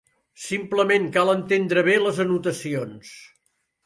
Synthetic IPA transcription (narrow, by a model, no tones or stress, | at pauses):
simpləmeŋkalˠənt̪end̪ɾəβeləzənut̪əsions